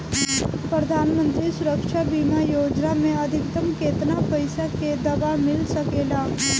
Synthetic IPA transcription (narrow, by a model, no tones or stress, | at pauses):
pɾəd̪ʱaːnmə̃nt̪ɾisʊɾəkʃabimajoːd͡ʒnamẽəd̪ʱɪkt̪əmkeːt̪napəɪsaked̪ɐbamɪlsəkeːlaː